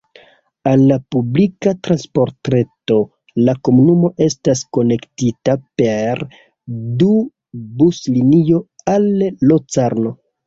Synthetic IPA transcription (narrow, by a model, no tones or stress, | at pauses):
alːapublikatɾanspo̞ɾtɾeto̞ | lako̞munumo̞ʔe̞stasko̞ne̞ktitape̞ɾ | du | buslinijo̞alːot͡saɾno̞